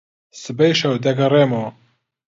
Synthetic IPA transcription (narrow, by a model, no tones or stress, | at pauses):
sɨbɛjʃɐwd̪ɐɡɐreːmo